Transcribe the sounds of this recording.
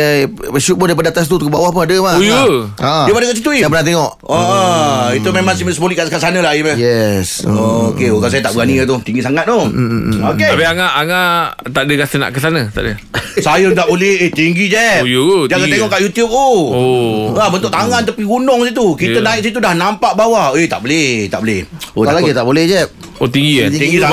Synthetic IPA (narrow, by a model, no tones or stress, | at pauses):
eʃut̪̚pəndaipadat̪as̬it̪ut̪ukubawahpəadəmauju | ajpadəkaʔsit̪uiapənat̪̬eŋɔʔ | oʔəit̪umemãŋsiməsəboliʔkaʔskaʔsanə̃laiməjɛsokeoɡas̬ajət̪aʔbəɡaniət̪ʊt̪iŋɡisaŋat̪̚nookeapiaŋaʔaŋa | t̪aʔdəkasəna̰ʔkəsanət̪a̰ʔdə | sajət̪aʔbolɛhet̪iŋɡid͡ʒɛjud͡ʒakaeŋɔʔkaʔjut̪jup̚o | labənt̪ʊk̚ʔt̪aŋant̪əpiɡunʊŋsit̪ukit̪ənãɪk̚s̬it̪̬udahnampaʔbawahet̪a̰ʔbəlɛht̪a̰ʔbolɛhoalaɡit̪aʔbolɛhd͡ʒɛp̚ot̪iŋɡit̪iŋɡisa